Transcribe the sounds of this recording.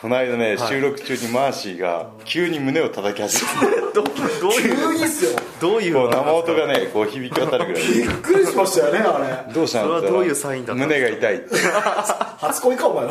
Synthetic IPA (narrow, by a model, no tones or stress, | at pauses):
kʰo̞naid̪aneɕɨːɾo̞kɯ̟̥t͡ɕɨːɲ̟imaːɕiːɡa̰ | kʲʰɯːɲ̟imɯ̟ne̞o̞t̪at̪akʲihaʑime | d̪ɯɲisɨjod̪oːko̞ːnamaot̪o̞ɡane̞ko̞ːçibʲikʲiβat̪aɾɯ̟ɡɯɾaiikːɯ̟ɾʲiɕimaɕt̪ajoneaɾed̪o̞ːɕiãnoĩmɯ̟ne̞ɡait̪ai | hat͡sɨ̥koikaoma